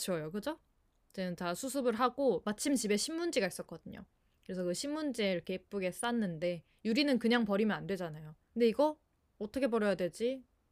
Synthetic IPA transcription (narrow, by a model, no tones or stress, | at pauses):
t͡ɕʰʌjokɯd͡ʑo | id͡ʑenɯntasʰusʰɯbɯɭɦaɡomat͡ɕʰimt͡ɕibe̞ɕʰimːund͡ʑiɡais͈ʌt̚k͈ʌdɯɲo̰ | kɯɾe̞sʰʌkɯɕʰimːund͡ʑeiɾʌkʰe̞ip̚p͈uɡe̞s͈anːɯnde̞ | juɾinɯnkɯɲaŋpʌɾimjʌnandwe̞d͡ʑanajokɯnde̞iɡʌ | ʌtʰʌkʰe̞pʌɾjʌjadwe̞d͡ʑi